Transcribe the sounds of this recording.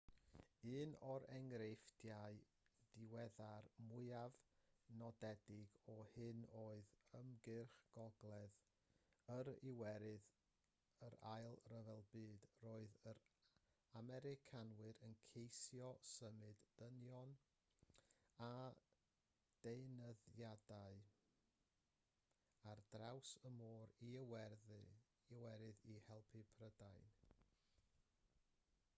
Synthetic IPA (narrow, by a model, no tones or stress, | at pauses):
ɨːnɔɾɛŋɾefd̥jaɨ | d̥ɪwɛðarmʊɨavnɔdɛdɪɡɔhɨnoːɨðəmɡɨrχɡ̥ɔɡlˠɛð | əɾɪwɛɾɨð | əɾajlˠrəvɛlˠbɨːdroːɨðəɾ | amɛɾɪkʰanwɨɾənkʰejsjɔsəmɨdənjɔn | a | d̥eɨnəðjadaɨ | ard̥rawsəmoːɾiəwɛrðɨ | iwɛɾɨðihɛlˠpʰipʰrədajn